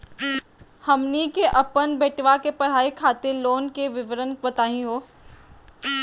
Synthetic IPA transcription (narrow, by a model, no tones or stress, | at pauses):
hɐmnikeʔɐpənbeːʈʋakepɐɽ̤aːikʰaːt̪eloːnkeʋɪʋəɾənʋət̪aːɦĩɦoː